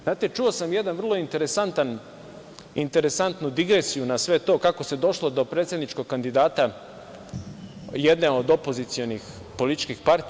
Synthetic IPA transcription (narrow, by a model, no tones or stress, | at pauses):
zaːt̪et͡ʃuo̞samjed̪anvrlˠo̞int̪e̞ɾesant̪an | int̪e̞ɾesant̪nud̪iɡɾesijunasʋe̞t̪o̞ːkako̞se̞d̪o̞ʃlˠo̞d̪o̞pɾet̪sʲe̞d̪nit͡ʃko̞ɡ̚kand̪id̪aːt̪a | je̞d̪neod̪o̞po̞zit̪sio̞nix | polit̪i̥t͡ʃkixpaɾt̪